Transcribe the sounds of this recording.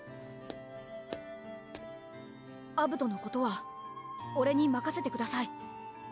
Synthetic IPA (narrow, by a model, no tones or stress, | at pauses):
abɯ̟t̪o̞no̞ko̞t̪o̞βa | o̞ɾe̞ɲ̟imakase̞t̪e̞kɯ̟d̪asai